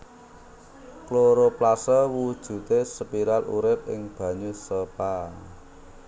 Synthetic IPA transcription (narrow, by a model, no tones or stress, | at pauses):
kloɾoplasəwud̥ʒ̥ṳt̪esəpiɾalṵɾɪp̚ɪ̰ŋb̥ä̤ɲusəpa